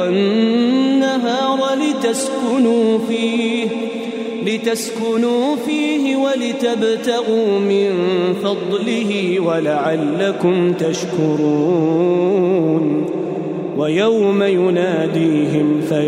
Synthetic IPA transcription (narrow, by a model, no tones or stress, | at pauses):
wanː | aɦɑːɾˤlɪt̪askʊnuː | lɪt̪askʊnuːfiːhɪwalɪt̪abt̪aɣuːmɪnfɑd̪ˤlɪɦɪwalaʕalːakʊmt̪aʃkʊɾuː | n | wajawmajʊnaːd̪iːɦɪmfa